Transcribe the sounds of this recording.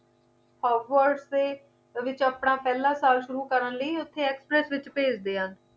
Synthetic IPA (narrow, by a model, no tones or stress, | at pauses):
pɔːʋəɾɖseː | ʋɪt͡ʃaːpɽãːpɛːlãːsaːlʃʊɾuːkəɾənləiːʊt̪ʰːeːɛːkspɾɛːsʋɪt͡ʃpeːd͡ʒd̪eːɦən